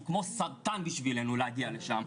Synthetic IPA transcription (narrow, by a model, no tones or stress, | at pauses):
kmo̞saʁt̪anbiʃvilenulehaɡialeʃam